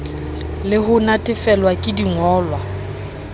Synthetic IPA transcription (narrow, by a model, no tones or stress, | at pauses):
lɪhʊnatʼɪfɛlwakʼɪdiŋɔːlwa